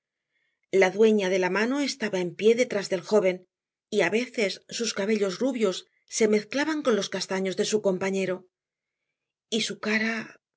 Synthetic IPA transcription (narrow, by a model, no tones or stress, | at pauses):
laðwe̞ɲaðe̞lamano̞e̞st̪aβae̞mpje̞ðe̞t̪ɾazðe̞lxo̞βe̞n | iaβe̞θe̞sːuskaβe̞ʎo̞zruβjo̞sː | e̞me̞θklaβaŋko̞nlo̞skast̪aɲo̞zðe̞suko̞mpaɲe̞ɾo̞ | isukaɾa